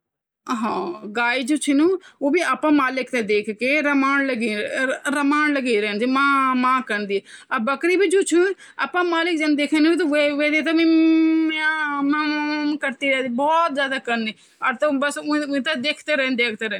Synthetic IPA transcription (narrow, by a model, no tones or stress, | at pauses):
ɦãːɡaːiːd͡ʒuːt͡ʃʰɪnũːoːbiːaːpãːmaːlɪkt̪ẽːd̪eːkʰkeːɾəmaːnləɡiːɾəmaːnləɡiːɾɛːnd͡ʒiːmãːmãːkənd̪iːəbəkɾiːbiːd͡ʒuːt͡ʃʰun | a̰ːpãːmaːlɪk̚d͡ʒañːd̪eːkʰenũːbiːt̪̬õʋeʋeːd̪eːt̪̬aːmĩːmamãmkəɾt̪iːɾɛːd̪iːbɔːt̪zjaːd̪aːkəɾniː | əɾt̪õbəsĩːt̪ad̪eːkʰt̪eːɾɛːnd̪eːkʰt̪eːɾɛːn